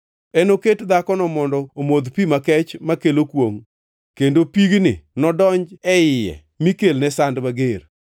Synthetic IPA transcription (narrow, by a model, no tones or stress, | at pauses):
ɛnoketd̪akɔnɔmɔndɔomod̪pimakɛt͡ʃmakelokwoŋ | kendopiɡnɪnɔdɔɲd͡ʒɛɪjɛ̰ | mikelnɛsandmaɡer